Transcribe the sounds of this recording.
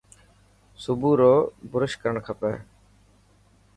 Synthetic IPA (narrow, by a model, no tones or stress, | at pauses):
sʊbuːɾoːbʊɾəʃkəɾəɳkʰəpɛ̰ː